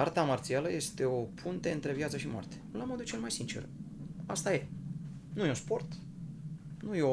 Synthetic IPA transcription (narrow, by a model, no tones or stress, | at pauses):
art̪amart̪sialəje̞st̪e̞o̞pʰunt̪e̞ɨnt̪ɾe̞vjat̪səʃimoa̰rt̪e̞̥lamo̞d̪ut͡ʃe̞lmajsint͡ʃerast̪aje̞ | nujeospo̞rt̪ | nujeo